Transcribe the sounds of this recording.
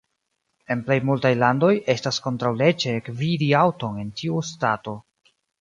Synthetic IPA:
e̞nple̞jmultajlando̞je̞stasko̞ntɾawle̞t͡ʃekvidiawto̞ne̞ntʰiustato̞

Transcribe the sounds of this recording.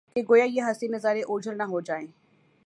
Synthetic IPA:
keɡoːjajeɦɐsinɐzaːɾeʔoːd͡ʒʱəɾnɐɦod͡ʒaːẽː

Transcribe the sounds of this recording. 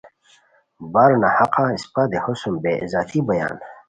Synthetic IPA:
baɾnahaqãːispad̪ehosumbeḭzaːt̪ʰibɐja̰ːn

